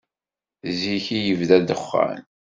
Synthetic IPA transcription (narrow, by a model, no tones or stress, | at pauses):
ziçijəvðæd̪əχːa̰n